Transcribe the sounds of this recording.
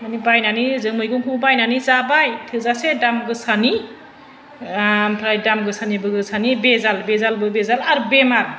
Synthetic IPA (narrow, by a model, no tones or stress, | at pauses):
manibajnanizɯŋmɯjɡɯŋkʰuŋbajnanizabajtʰɯzasedamɡɯsani | mpʰɾajdamɡɯsanibɯɡɯsanibezalbezalbɯbezalaɾubemaɾ